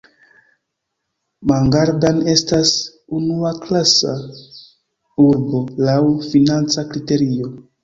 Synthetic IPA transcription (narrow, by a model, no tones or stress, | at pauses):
maŋɡaɾdane̞stas | unuaklasa | uɾbo̞lawfinant͡sakɾite̞ɾio̞